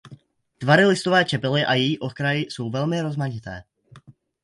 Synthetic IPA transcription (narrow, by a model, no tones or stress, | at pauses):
t̪vaɾɪlɪst̪ovɛːt͡ʃɛpɪlɪʔajɛjiːʔokɾajɪso̞wvɛlmɪɾo̞zmaɲɪt̪ɛ̰ː